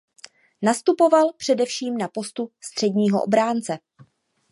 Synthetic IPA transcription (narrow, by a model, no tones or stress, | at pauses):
nast̪upo̞valpr̝̥ɛdɛfʃiːmnapo̞st̪ust̪r̥ɛdɲiːɦo̰ʔo̰bɾaːnt͡sɛ